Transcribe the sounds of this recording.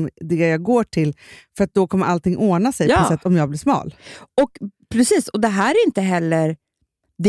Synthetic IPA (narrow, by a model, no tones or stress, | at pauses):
md̪ɛjɑːɡoːʈʰɪlfœɾat̪̚d̪ɔkʰɔmːəɾʔalt̪ɪŋːʔoːnasɛjpɔɔsɛt̪ːɔmjɑːɡblɪʂmɑ̰ːlɔkpʰɾɛsiːsɔd̪ɛɦæːɾæɾɪnt̪əɦɛlːəɾ | d̪ɛ